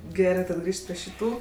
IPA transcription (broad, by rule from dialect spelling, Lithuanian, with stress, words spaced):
ˈɡʲæːrɜ tɐt ˈɡrʲiːʃt pʲrʲɪ ʃʲɪˈtuː